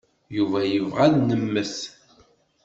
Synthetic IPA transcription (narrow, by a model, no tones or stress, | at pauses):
juvæjəvʁæðnəmːəθ